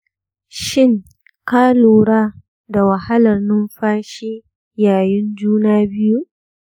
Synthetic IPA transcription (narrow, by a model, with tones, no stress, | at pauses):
ʃɪ˦ŋ | kaː˦luː˨ɽaː˦ | da˨wɐ˨ha˦lɐ˨rnʊ˦mɸaː˦ʃiː˦ | jaː˨jɪ˦nd͡ʒuː˦naː˦bɪ˦ju˦ʔ